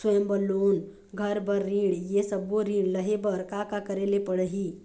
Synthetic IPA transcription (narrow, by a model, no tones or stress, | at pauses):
swəjəmbəloːn | ɡʱəɾbəɾːĩːɽjesəboɾĩːɽləɦebəɾkakakəɾelepəɽɦiː